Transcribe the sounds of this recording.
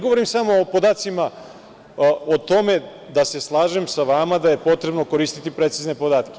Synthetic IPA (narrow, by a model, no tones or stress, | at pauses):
ɡoʋoɾimsamo̞ːpo̞d̪aːt̪sima | ot̪o̞me̞d̪ase̞slˠaːʒemsaʋamad̪aje̞po̞t̪ɾe̞bno̞ko̞ɾiːst̪i̥t̪ipɾe̞t̪siznepod̪aːt̪ke